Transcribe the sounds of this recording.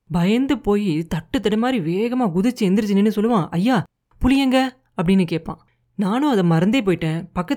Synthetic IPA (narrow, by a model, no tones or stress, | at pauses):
bɐjɐnd̪ɯpoːjit̪ɐʈːɯt̪ːɐɽɐmaːd̪ɾiʋeːɣɐmaːɡʊðɯt͡ʃːɯɛnd̪ɪɾɯt͡ʃːɯnːinːɯsɔlːɯʋãːʔɐjːaː | pʊlɪjɐŋɡɐ | ɐpːɐɽɪnːɯkeːʈ̚pːã̰ː | naːnʊ̃ɐðɐmɐɾɐnd̪ɐpoːjɪʈːẽːpɐkːɐ